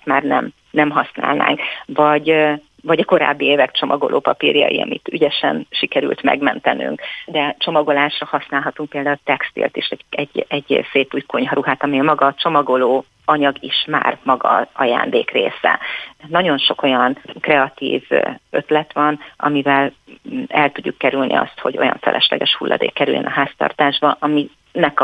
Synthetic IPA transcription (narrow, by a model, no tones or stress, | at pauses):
t̪maːrnɛm | nɛmɦɒsna̰ːlna̰ːŋkvɒɟ | vɒɟɒko̞ɾa̰ːbːieːvɛkt͡ʃo̞mʔɒɡo̞̰lʔo̰ːpɒpiːrjɒ̰jḭɒ̰mḭt̪yɟɛʃɛ̰nʃikɛɾy̰lt̪mɛ̰ɡmɛnt̪ɛny̰ŋkd̪ɛt͡ʃo̞mɒɡo̞laːʃrɒhɒsnaːlɦɒt̪uŋk̚peːld̪aːult̪ɛkst̪ḭːlt̪eːʃɛɟɛɟɛɟseːp̪uːjkʰoɲɦɒɾuɦaːt̪ɒmiemɒɡɒt͡ʃo̞mɒɡo̞loː | ɒɲɒɡiʃma̰ːrmɒɡɒ̰ɒja̰ːnd̪eːkreːsɛ̰nɒɟo̞nʃo̞ko̞jɒnkrɛɒt̪ḭːvø̞t̪lɛt̪ʋɒnʔɒ̰mivɛl | ɛlt̪uɟːukːɛɾylnʔḭɒ̰st̪ho̞ɟo̞̰jɒ̰ɱfɛ̰lʔɛʃlɛ̰ɡɛʃhulːɒ̰d̪ḛːkːɛɾy̰ljɛ̰nɒɦaːst̪ɒ̰rt̪aːʒbɒʔɒmi | nɛk